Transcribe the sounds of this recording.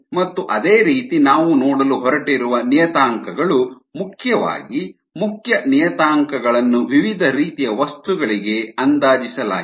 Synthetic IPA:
mɐt̪ːuʔɐd̪eːɾiːt̪inaːʋunɔːɽɐluɦɔɾɐʈiɾuʋɐnijɐt̪aːŋkɐɡɐɭu | mukʰjɐʋa̰ːɡi | mukjɐnijɐt̪aːŋkɐɡɐɭɐnːuʋiʋid̪ʱɐɾiːt̪ijɐʋɐst̪uɡɐɭiɡe̞ɐnd̪aːd͡ʒisɐla̰ː

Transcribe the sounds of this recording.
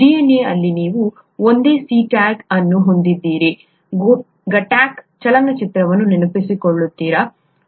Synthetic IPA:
ɖijeneːɐlːiniːʋu | ond̪e̞ːsiːʈaːɡɐnːuɦo̞nd̪id̪ːiːɾi | ɡ | ɡɐʈaːkt͡ʃɐlɐnːɐt͡ʃit̪ɾɐʋɐnːunenɐpisikoɭːut̪ːiːɾɐ

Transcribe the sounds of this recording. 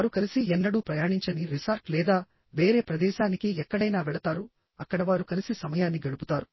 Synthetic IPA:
ɾukɐlisiɛnːɐɽuːpɾɐjaːɳiɲt͡ʃɐniɾisaːɾʈlɛːd̪aː | ʋeːɾe̞ːpɾɐd̪ɛːʃaːnikiɛkːɐɽɐjnaːʋɛɭɐt̪aːɾu | ɐkːɐɽɐʋaːɾukɐlisisɐmɐjaːnːiɡɐɭuput̪aːɾu

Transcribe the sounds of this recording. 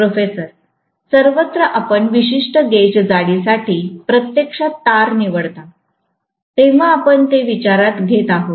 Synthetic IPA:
pɾofesəɾ | səɾʋət̪ɾəʔapəɳʋiɕiʂʈəɡed͡zaɽisaʈʰiːpɾət̪jekʂat̪aɾniʋəɽt̪a | t̪eʋ̤aːpəɳt̪eʋit͡ɕaɾat̪ɡʱet̪aɦo

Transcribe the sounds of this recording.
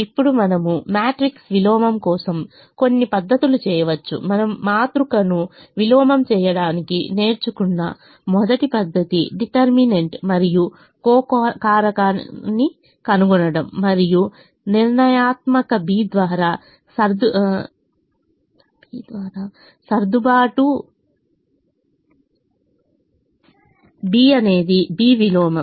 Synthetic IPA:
ipːuɽumɐnɐmumaːʈɾiksʋilɔːmɐmkɔːsɐm | ko̞nːipɐd̪ʱːɐt̪ulut͡ʃɛːjɐʋɐt͡ʃːṵmɐnɐmːaːt̪ɾukɐnuʋilɔːmɐmt͡ʃɛːjɐɽaːnikḭne̞ːɾt͡ʃukunːɐ̰ | mɔd̪ɐʈipɐd̪ʱːɐt̪iɖiʈɐɾmineɳʈmɐɾiju | kɔːkːkaːɾɐkaːnːi | kɐnuɡɔnɐɽɐmːɐɾiju | niɾɳɐjaːt̪mɐkɐbiːd̪ʋaːɾaː | sɐɾd̪u | d̪ʋaːɾa | sɐɾd̪ubaːʈu | biːɐne̞ːd̪ibiːʋilɔːmɐm

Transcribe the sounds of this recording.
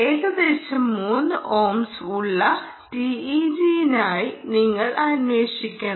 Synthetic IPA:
eːɣɐd̪eːɕɐmːuːnːɨʔoːmsuɭːɐ | ʈiid͡ʑijinaːjiniŋːɐɭɐnweːʂikʲːɐɳɐ

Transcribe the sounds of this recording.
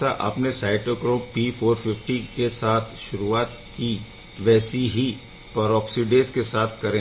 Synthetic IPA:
aʔɐ̰pnesaːɪʈokɾoːppiːfʰoːɾfʰɪfʈikesaːt̪ʰʃʊɾuaːt̪ | ki | ʋɛːsiɦi | pɐɾɔːksiɖeːskesaːt̪ʰkɐɾẽː

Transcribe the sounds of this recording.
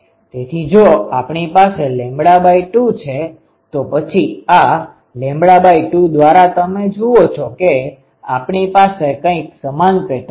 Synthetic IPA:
t̪et̪ʰid͡ʒoapɳipaselɛ̃mbɽabaiʈut͡ʃʰe | t̪opət͡ʃʰia | lɛ̃mbɽabaiʈud̪ʋaɾat̪əmed͡ʒuot͡ʃʰɔke | apɳipasekə̃ĩksəmanpeʈʰ

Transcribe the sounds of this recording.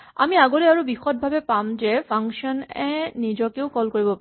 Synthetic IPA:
a̰miaɡoɹɛaɹubixɔt̚bʱabɛpamzɛpʰaŋsiɔnɛnizɔkeʊkɔlkoɹibɔpa

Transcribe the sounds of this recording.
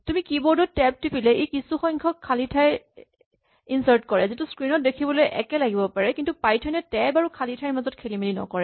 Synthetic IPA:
tumikibɔɹdɔtɛp̚tupilɛejkisuxɔjŋkʰɔkʰːalitʰaj | insaɹtkɔɹɛzituskɹinɔt̚dekʰibɔlojʔɛkɛlaɡibɔpaɹɛkintupajtʰɔnɛtɛjbaɹukʰalitʰajɹmazɔt̚kʰelimelinɔ̰kɔɹɛ

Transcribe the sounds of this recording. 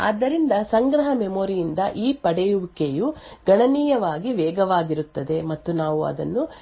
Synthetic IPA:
a̰ːd̪ːɐɾind̪ɐsɐŋɡɾɐɦɐmemoːɾijind̪ɐʔiːpɐɽejuʋukejuɡɐɳɐniːjɐʋaːɡiʋɛːɡɐʋaːɡiɾut̪ːɐd̪e̞mɐt̪ːunaːʋuɐ̰d̪ɐ̰nːu

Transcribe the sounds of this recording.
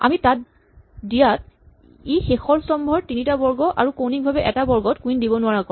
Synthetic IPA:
a̰mitat̚ | dijat̚ | exexɔɹsɔmbʱɔɹtinitabɔɹɡɔʔa̰ɹukownikbʱabɛʔɛtabɔɹɡɔtkuindibɔnʊwaɹakɔ

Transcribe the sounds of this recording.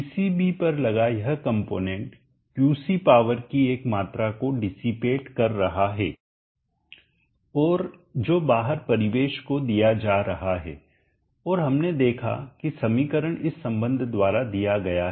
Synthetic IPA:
sibipɐɾlɐɡajɐɦəkɐ̃mpoːnɛ̃ːɳʈ | kjuːsipaːʋəɾkieːkmaːt̪ɾakoɖɪsipeːʈkɐɾːɐɦaɦɛː | ɔːɾd͡ʒoːbaːɦəɾpɐɾɪʋeːʃkod̪ijad͡ʒaːɾɐɦaɦɛ̰ː | ɔːɾɦɐmned̪eːkʰa̰kisɐmiːkəɾəɽ̃ɪsːɐ̃mbə̃nd̪ʱd̪waːɾad̪ijaɡɐjaɦ

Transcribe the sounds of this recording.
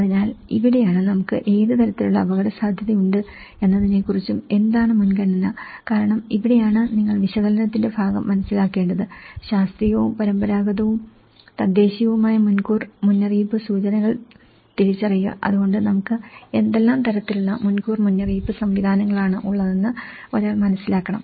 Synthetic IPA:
ɐðinaːlḭʋiɽe̞jaːɳɨnɐmukːɨʔe̞ːðɨt̪ɐɾɐt̪ːiluɭːɐːbɐɣɐɽɐsaːd̪ʱjɐðɐjuɳɖɨ | e̞nːɐðinekːurit͡ɕːume̞nd̪aːɳɨmunkɐɳːɐnːɐkaːɾɐɳɐmiʋiɽejaːɳɨniŋːɐɭʋiɕɐɣɐlɐnɐt̪ːinde̞bʱaːɡɐ̰mːɐnɐsːilaːkːe̞ːɳɖɐðɨɕaːst̪rijoːumpɐɾɐmbɐɾaːɡɐðɐʋum | t̪ɐd̪ːe̞ːɕijɐʋumaːjɐmunkuːrmunːɐriːpɨsuːt͡ɕɐnɐɣɐɭ | t̪iɾit͡ɕːɐrijːɐ̰ʔɐ̰ðuɣo̞ɳɖɨnɐmukːɨe̞nd̪e̞lːaːmt̪ɐɾɐt̪ːiluɭːɐmunkuːrmunːɐriːbɨsɐmʋid̪ʱaːnɐŋːɐɭaːɳɨʔuɭːɐðenːɨ | o̞ɾaːɭmɐnɐsːilaːkːɐɳɐ̰m

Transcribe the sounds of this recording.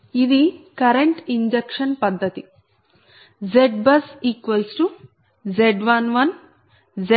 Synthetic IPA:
id̪ikɐɾeɳʈiɲd͡ʒekʂɐnpɐd̪ʱːɐt̪i | d͡ʒeɖ̚bɐsikʋɐsʈu | d͡ʒeɖʋɐnʋɐn | d͡ʒe

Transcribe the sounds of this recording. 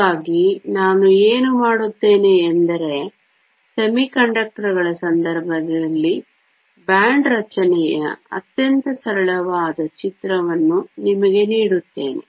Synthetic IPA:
aːɡinaːnueːnumaːɽut̪ːe̞ːneːnd̪ɐɾe̞ | semikɐɳɖɐk̚ʈɐɾuɡɐɭɐsɐnd̪ɐɾbʱɐd̪ɐlːi | bjaːɳɖɾɐt͡ʃɐnɛjɐ̰ɐ̰t̪jɐnt̪ɐsɐɾɐɭɐʋaːd̪ɐt͡ʃit̪ɾɐʋɐnːunimɐɡe̞niːɽut̪ːe̞̰ːnḛ

